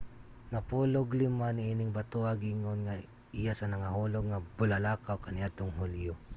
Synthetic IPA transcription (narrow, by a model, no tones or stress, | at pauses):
nɐpuːlʊɡlɪmanɪiːnɪŋbat̪oaɡiŋonŋa | ɪjasɐnɐŋaɦuːloɡ̚ŋabʊlalaːkawkanɪat̪ʊŋɦʊljo